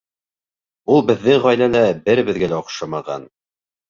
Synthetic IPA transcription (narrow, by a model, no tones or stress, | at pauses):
ulˠbɘ̆ðːɘŋʁɒjlælæbɘɾɘ̆bɘ̆ðɡælæŏqʃɑmɑʁɑ̰n